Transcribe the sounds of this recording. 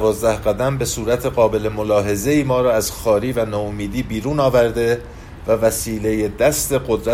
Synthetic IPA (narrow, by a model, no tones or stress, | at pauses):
vɒːzd̪æhɢæd̪æmbe̞suːɾæt̪ʰe̞ɣɒːbe̞lemo̞lɒːɦe̞zeiːmɒːɾɒːæz̥xɒːɾiːvænɒːomiːd̪iːbiːɾuːnɒːvæɾd̪e̞ | vævæsiːle̞jed̪æst̪e̞ɢod̪ɾæ